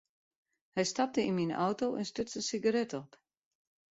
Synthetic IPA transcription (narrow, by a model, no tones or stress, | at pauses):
hɛjstap̚təinminʔɔ̰wtoʔɛnstøt͡sənsiɡaɾɛtɔp